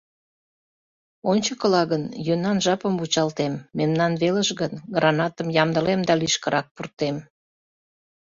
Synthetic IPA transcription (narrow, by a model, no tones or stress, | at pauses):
onʲt͡ɕəkəlɑɣənjønɑnʒɑpəmβut͡ɕɑlt̪emːemnɑnβeləʃɡənɡrʔɑnɑt̪əmjɑmd̪əlemd̪ɑliʃkəɾɑk̚purt̪em